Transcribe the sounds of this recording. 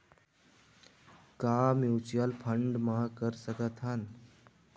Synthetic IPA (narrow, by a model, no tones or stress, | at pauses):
kamut͡ɕjalpʰəɳɖmakəɾsəkət̪ʰan